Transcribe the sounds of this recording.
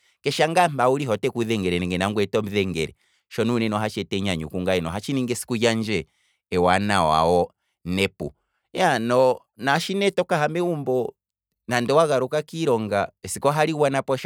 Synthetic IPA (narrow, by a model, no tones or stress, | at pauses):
kɛʃaŋɡambauɾiɦɔtɛkuðɛŋɡɛɾɛnɛŋɡɛnaŋɡwɛtɔm̩ðɛŋɡɛ̰ɾɛ̰ | ʃɔnunɛnɔɦat͡ʃɛtɛɲaɲṵkuŋɡaɛnɔɦat͡ʃiniŋɡɛsi̥kuɟaɲd͡ʒɛ | ɛwanawa̰ɔ | nɛpṵ | janɔ | naʃinɛtɔkahamɛumbɔ | nandɛwaɣaɾukakiɾɔŋɡaɛsikɔɦaɾiɣwanapɔʃ